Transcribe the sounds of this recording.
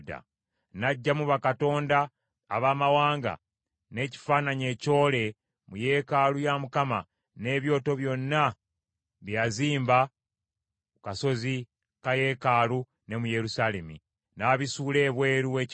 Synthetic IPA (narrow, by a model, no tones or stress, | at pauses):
da̰ | naɟːamuβakato̞ːnda̰ː | βaːmawaːŋɡa̰ | ne̞ci̥faːnaɲe̞ːco̞ːle̞ | muje̞ːkaːlujamukama̰ | ne̞ːβjo̞ːto̞βjo̞nːa | βjaziːmba | kaso̞zi | kaje̞ːkaːlu | ne̞muje̞ɾusalemi | naːβisuːle̞ːβwe̞ːɾuweːc